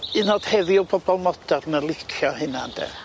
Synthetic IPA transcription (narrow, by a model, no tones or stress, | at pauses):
ɨnɔd̥hɛðiɔbɔbɔlˠmɔdarnəlˠɪkʰjɔhɪnandɛ̰